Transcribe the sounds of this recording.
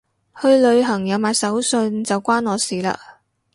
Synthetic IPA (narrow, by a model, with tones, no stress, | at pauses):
hɵ˧ɥlɵ˨˧ɥɦɐ˨˩ŋjɐ˨˧wmaː˨˧jsɐ˨˥wsɵ˧nt͡sɐ˨wkʷaː˥nɔː˨˧siː˨la̰ː˧